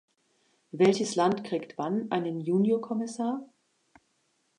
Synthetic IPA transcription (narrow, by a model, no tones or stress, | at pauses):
vɛlçəslantkʁ̥iːktv̥anʔaɪnənjuːnjoːkʰɔmɪsaːɐ